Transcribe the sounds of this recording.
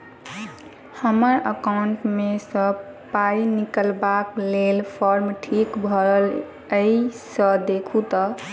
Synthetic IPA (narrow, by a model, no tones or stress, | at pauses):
həməɾəkaʊɳʈmesə̃ | paɾinikəlbaklelpʰɔɾmʈʰikbʱəɾəl | əisəd̪ekʰut̪ʌ